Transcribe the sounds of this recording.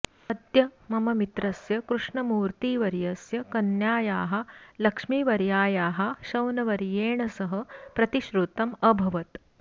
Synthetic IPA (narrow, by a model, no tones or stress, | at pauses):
ɐd̪jɐmɐmɐmit̪ɾɐsjɐkɾuʂɳɐmuːɾt̪iːʋɐɾjɐsjɐkɐnjaːjaːɦɐ̆lɐkʂmiːʋɐɾjaːjaːɦɐ̆ʃɐwnɐʋɐɾjeːɳɐsɐɦɐ̆pɾɐt̪iʃɾut̪ɐmɐbʱɐʋɐt̪